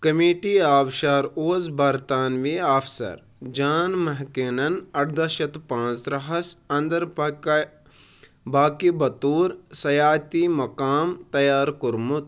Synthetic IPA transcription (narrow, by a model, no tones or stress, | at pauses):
kɐmiːʈiaːbʃaːɾoːzbɐɾt̪aːnʋiːaːfʰsɐ̰ɾ | d͡ʒaːnmɐɦkeːnɐnɐʈd̪ɐʃɐt̪pãːnt͡sɾɐɦɐsɐ̃nd̪ɐɾ | baːkibɐt̪uːɾsɐjaːt̪imɐkaːmt̪ɐjaːɾkuɾmut̪